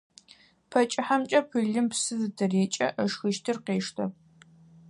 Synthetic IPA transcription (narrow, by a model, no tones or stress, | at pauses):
pʰɐt͡ʃʼɪħamt͡ʃʼɐpʰɨɮɨmpsɨzɨdʰɐreːt͡ʃʼɐʔəʂxɨʃtʰɨrqeːʂtʰɐp